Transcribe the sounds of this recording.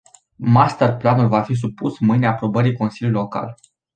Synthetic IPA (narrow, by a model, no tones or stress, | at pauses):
mast̪ərplanulvafis̬upusmɨjneaːpɾo̞bəɾijko̞nsiljulilo̞ka̰l